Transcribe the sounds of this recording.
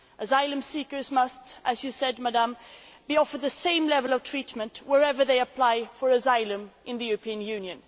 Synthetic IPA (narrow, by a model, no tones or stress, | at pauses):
ʔəzaɪlˠə̃msikə˞zmʌstʔɨzjɨsɛdmadãmbiɔfə˞ðɨsẽɪ̃mlɛvəlˠʌv̥tʰɹ̥itmə̃ntwəɹɛvə˞ðeɪəpʰl̥aɪfə˞əzaɪlə̃mʔɨ̃nðəjʉɹəpʰĩə̃njʉ̃njɨ̃n